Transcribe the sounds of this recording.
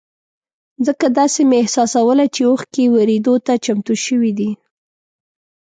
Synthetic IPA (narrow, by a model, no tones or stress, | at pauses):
zəkad̪ɑsemeɪhsɑsawəlat͡ʃeoxkewaɾed̪ot̪at͡ʃamt̪uʃəwid̪i